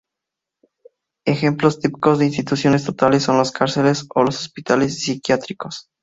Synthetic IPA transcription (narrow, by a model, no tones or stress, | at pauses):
exe̞mplo̞st̪ipi̥ko̞zðeins̬t̪it̪usjo̞nes̬t̪ot̪alesːo̞nloskaɾse̞le̞solo̞sospit̪ale̞sːikjat̪ɾiko̞s